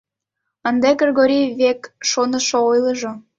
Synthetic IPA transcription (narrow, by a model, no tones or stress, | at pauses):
ənd̪eɡrʲeɣoɾʲijβekʃonəʃoojlˠəʒo